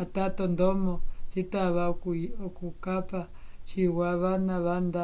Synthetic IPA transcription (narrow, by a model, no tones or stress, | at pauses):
at̪at̪ond̪ɔmɔt͡sit̪aβakuokukapa | t͡ʃiwaβanãβand̪a